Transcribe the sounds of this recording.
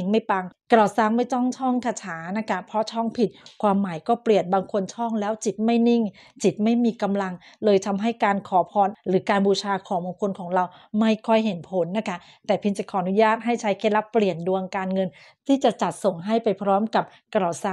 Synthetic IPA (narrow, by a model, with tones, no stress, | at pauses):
ŋma˥˩jpa˧ŋkɾa˨˩wsaː˧˥˩ŋma˥˩jt̪ɔ˥˩ŋt͡ɕʰɔ˥˩ŋt̪ʰa˧t͡ɕʰaː˩˦na˦˥kʰa˦˥pʰɾɔ˦˥t͡ɕʰɔ˥˩ŋpʰi˨˩t̪̚kʰwaː˧mːaː˩˦jkɔː˥˩pli˨˩ənbaː˧ŋkʰo˧nt͡ɕʰɔ˥˩ŋlɛː˦˥wt͡ɕi˨˩t̪̚ma˥˩jni˥˩ŋ | t͡ɕi˨˩t̪̚ma˥˩jmiː˧ka˧mla˧ŋlɤː˧jt̪ʰa˧mɦa˥˩jkaː˧nkʰɔː˩˦pʰɔː˧nɾɯː˩˦kaː˧nbuː˧t͡ɕʰaː˧kʰɔː˩˦baː˧ŋkʰo˧nkʰɔː˩˦ŋɾa˧w | ma˥˩jkʰɔ˥˩jɦe˩˦npʰo˩˦nːa˦˥kʰa˦˥ | t̪ɛː˨˩pʰi˧nt͡ɕa˨˩kʰɔː˩˦ʔnu˦˥jaː˥˩t̪̚ɦa˥˩jt͡ɕʰa˦˥jkʰeː˥˩la˦˥pːli˨˩əndu˧əŋkaː˧nŋɤ˧n | t̪ʰiː˥˩t͡ɕa˨˩ʔt͡ɕa˨˩t̪̚so˨˩ŋɦa˥˩jpa˧jpʰɾɔː˦˥mka˨˩p̚ | kɾa˨˩saː˥˩